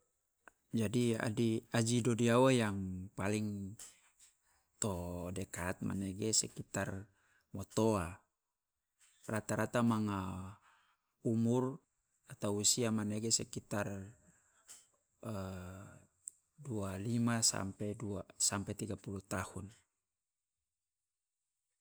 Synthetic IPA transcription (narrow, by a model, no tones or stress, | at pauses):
d͡ʒadia̰diad͡ʒidodiawajaŋpaliŋ | t̪odɛkat̪̚ma̰neɡesɛkit̪ar | mɔt̪oa | rat̪aɾat̪amaŋa | umur | at̪awusiamaneɡesɛkit̪ar | dualimasa̰mpɛduasampɛt̪iɡapulut̪ahun